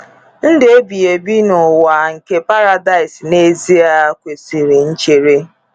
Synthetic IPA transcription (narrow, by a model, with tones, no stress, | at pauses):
n̩˦dɪ˨e˦bi˨je˨bi˦nʊ˨wa˨ŋ̩˨ke˦pa˦ɾa˦da˦ɪ˨sne˦zi˦a˦kʷe˨si˨ɾi˨n̩˦t͡ʃe˨ɾe˦